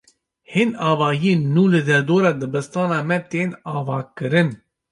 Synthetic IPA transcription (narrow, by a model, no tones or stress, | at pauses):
henɑːvɑːjeːnːuːlɨd̪ɛɾd̪oːɾɑːd̪ɨbɨst̪ɑːnɑːmɛt̪eːnɑːvɑːkɨɾɨn